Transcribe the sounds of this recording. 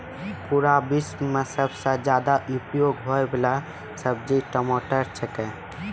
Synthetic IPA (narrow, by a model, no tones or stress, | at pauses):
puɾabɪsmmẽsəbsad͡ʒjaːd̪aʔupjoːɡɦoɛbɪla | səb̚d͡ʒiʈəmoːʈəɾt͡ʃʰəkɛ̃